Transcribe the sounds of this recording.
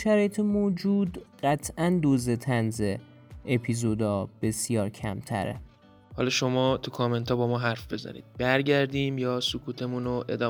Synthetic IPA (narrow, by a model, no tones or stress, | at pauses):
ʃæɾɒːjet̪ʰemoːd͡ʒuːd̪ɢæt̪ʰʔænd̪oːzet̪ʰænze | epʰizod̪ɒːb̥e̞sjɒːɾcʰæ̰mt̪ʰæ̰ɾḛ | hɒ̰lɒʃomɒːt̪ʰukʰɒme̞nt̪ʰɒːbɒːmɒːɦæɾfbe̞zæ̰nḭːd̪̚bæɾɟæɾd̪iːmjɒːsokʰuːt̪ʰemunoʔe̞̰d̪ɒː